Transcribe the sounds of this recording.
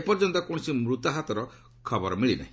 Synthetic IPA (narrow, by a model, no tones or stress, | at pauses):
epɔɾd͡ʒɔnt̪ɔkɔɽ̃simɾut̪aɦat̪ɔɾɔ | kʰɔbɔɾɔmiɭina̰ɦĩ